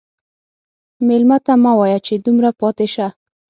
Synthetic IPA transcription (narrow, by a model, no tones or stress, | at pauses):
melmat̪amawɑjat͡ʃed̪umɾapɑt̪eʃa